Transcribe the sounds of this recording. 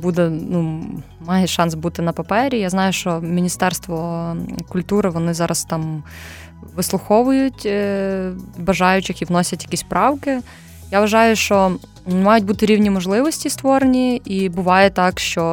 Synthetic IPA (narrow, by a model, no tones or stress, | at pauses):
bud̪ɛnu | mɑjɛʃɑnsbut̪ɪnɐpɐpɛɾʲijaznɑjʊʃt͡ʃɔmʲinʲist̪ɛrst̪ʋɔkʊlʲt̪uɾɪʋɔnɪzɑɾʔɐst̪ɑm | ʋɪslˠʊxɔʋʊjʊtʲ | bɐʒɑjʊt͡ʃɪxiʋnɔsʲɐtʲjɐkʲisʲspɾɑwkɪ | jaʋɐʒɑjʊʃt͡ʃɔ | mɑjʊtʲbut̪ɪɾʲiwnʲimɔʒlˠɪʋɔsʲtʲist̪ʋɔɾenʲiibʊʋɑjɛt̪ɑkʃt͡ʃɔ